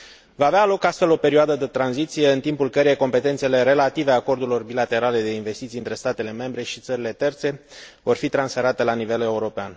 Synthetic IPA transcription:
vaːvealo̞kast̪fe̞lo̞pe̞ɾioad̪əd̪e̞t̪ɾanzit̪sije̞ɨnt̪impulkəɾejeko̞mpe̞t̪e̞nt̪sele̞ɾe̞lat̪iveako̞rd̪uɾilo̞rbilat̪e̞ɾale̞d̪e̞inve̞st̪it̪siɨnt̪ɾe̞st̪at̪e̞le̞me̞mbɾe̞ʃit̪səɾile̞t̪e̞rt̪se̞vo̞rfit̪ɾansfe̞ɾat̪e̞lanive̞le̞uɾo̞pean

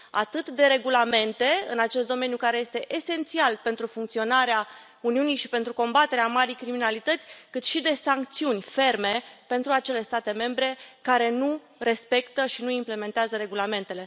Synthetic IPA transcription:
a̰t̪ɨt̪d̪e̞ɾe̞ɡulame̞nt̪e̞ɨ̰nat͡ʃe̞st̪d̪o̞me̞njukaɾeje̞st̪e̞ʔese̞nt̪sialpe̞nt̪ɾufuŋkt̪sio̞naɾea | uniunijʃipe̞nt̪ɾuko̞mbat̪e̞ɾeamaɾijkɾiminalit̪ət̪sʲkɨt̪ʃid̪e̞saŋk̚t̪siunʲfe̞rme̞pe̞nt̪ɾuat͡ʃe̞le̞st̪at̪e̞me̞mbɾe̞kaɾe̞nu | re̞spe̞kt̪əʃinuimple̞me̞nt̪eazəɾe̞ɡulame̞nt̪e̞le̞

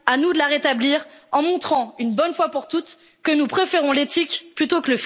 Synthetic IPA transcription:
anud̪əlaʁet̪abliːʁɑ̃mɔ̃t̪χɑ̃ynbɔnfwapuʁt̪ut̪ | kənupχefeʁɔ̃let̪ikplyt̪okələf

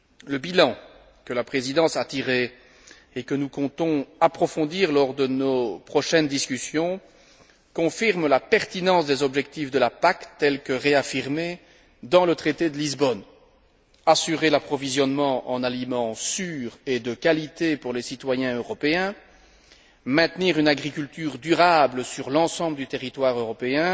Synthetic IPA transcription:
ləbilɑ̃ | kəlapχezid̪ɑ̃sat̪iʁeː | kənukɔ̃t̪ɔ̃apχɔfɔ̃d̪iːʁlɔʁd̪ənopχɔʃɛnd̪iskʲysjɔ̃ | kɔ̃fiʁmlapɛʁt̪inɑ̃sd̪ezɔbʒɛkt̪ifd̪əlapakt̪ɛlkəʁeafiʁme | d̪ɑ̃lət̪χet̪ed̪əlizbɔn | asyʁelapχɔvizjɔnmɑ̃ʔɑ̰̃nalimɑ̃syːʁed̪əkalit̪epuʁlesit̪wajɛ̃øʁɔpeɛ̃ | mɛ̃t̪niːʁynaɡʁikʲylt̪yːʁd̪yʁabləsyʁlɑ̃sɑ̃bləd̪yt̪eʁit̪waʁøʁɔpeɛ̃

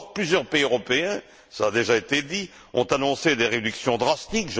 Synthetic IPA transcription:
plyzjœʁpeiøʁɔpeɛ̃ | saːd̪eʒaet̪ed̪i | ɔ̰̃t̪anɔ̃sed̪eʁed̪yksjɔ̃d̪ʁast̪ikʒ

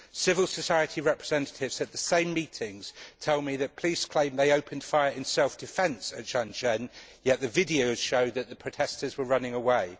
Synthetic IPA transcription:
sɪvəlˠsəsaɪətʰiɹɛpɹ̥ɪzɛ̃ntətʰɪvz̥əʔ̪̚ðəsẽɪ̃mːiˑtʰɪ̃ŋz̥tʰɛlˠmiðəʔ̚pʰl̥iz̥kʰl̥ẽɪ̃mðeɪəʊpʰə̃nd̥faɪəɹɪ̃nsɛlˠfd̥ɪfɛ̃nsət̚d̥ʒ̥ɑ̃nd͡ʒɛ̃njɛʔ̪ðəvɪdiəʊz̥ʃəʊd̪̚ðəʔ̪ðəpʰɹ̥ətʰɛstəzwəɹʌnɪ̃ŋəweɪ

